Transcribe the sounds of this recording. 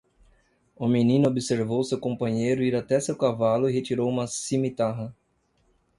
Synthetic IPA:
ʊminĩnʊobiseɾvowsewkõmpɐ̃ɲejɾʊiɾat̪ɛsewkavalʊiɦet͡ʃiɾowũmɐsimit̪aɦɐ

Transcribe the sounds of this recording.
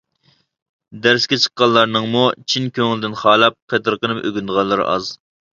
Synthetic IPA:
d̪æɾskʲɛt͡ʃʰə̥qːɑnlˠːɑɾnɨŋmut͡ʃʰinkʲʰøŋlɪd̪ɪnχɑːlˠɑp̚qʰet̪ʰɨɾqənɨpøɡʲynd̪əʁɑnlˠːɨɾɑ̰z

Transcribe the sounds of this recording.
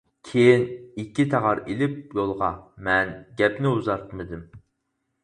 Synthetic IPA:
kʲʰejinikʲːit̪ʰæʁɑɾilɪp̚jolˠʁɑmɛnɡʲɛpnɪuzɑɾt̪ʰmɨd̪ɪm

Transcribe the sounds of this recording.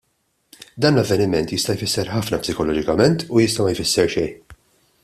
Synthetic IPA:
d̪ɐːnlɐvːɛnɪmɛnt̪jɪst̪ɐjfɪsːɛɾħɐfnɐpsɪkɔlɔːd͡ʒɪkɐmɛnt̪ujɪst̪ɐmɐjfɪsːɛɾʃɛj

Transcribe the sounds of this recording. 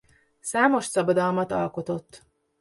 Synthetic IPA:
saːmo̞ʃsɒbɒd̪ɒlmɒt̪ɒ̰lko̞t̪o̞t̪ː

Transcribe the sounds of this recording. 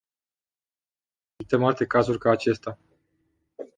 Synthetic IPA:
sit̪emalt̪e̞kazurʲkaːt͡ʃe̞st̪a

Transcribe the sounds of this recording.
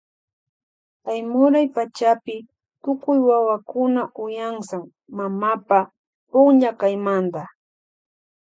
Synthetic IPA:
kajmʊɾajpat͡ʃapɪ | t̪ʊkʊjwawakʊnaʔʊjaŋsaŋ | mamapa | pʊŋɲakajmand̪a

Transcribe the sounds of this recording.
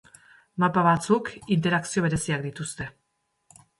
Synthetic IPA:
mapaβat͡sukint̪e̞ɾaksio̞βe̞ɾe̞siak̚d̪it̪ust̪e̞

